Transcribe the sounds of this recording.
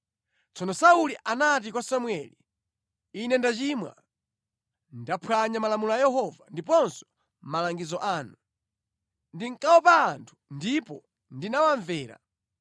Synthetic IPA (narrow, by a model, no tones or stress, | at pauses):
t͡sʰɔnɔsauliʔanat̬ikwasamwɛli | inɛndat͡ʃimwa̰ | ndapʰwaɲamalamulɔajɛɦɔvandipɔnsɔ̥ | malaŋɡizɔʔaːnu | ndiŋ̩kʼawɔpaːntʰu̥ndipɔ | ndinawaɱvɛːɾa̰